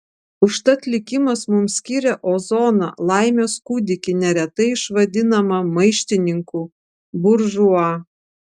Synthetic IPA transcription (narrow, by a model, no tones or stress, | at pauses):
ʊʃt̪ɐt̪ʲlʲɪkʲɪmɐsmʊmsʲkʲiːɾʲɛʔoːzɔːnɐ̰lˠɑɪmʲoːskud̪ʲɪkʲɪnʲɛɾʲɛt̪ɐɪɪʃʋɐd̪ʲɪnɐmɐmɐɪʃʲt̪ʲɪnʲɪŋkuː | bʊɾʒuɑː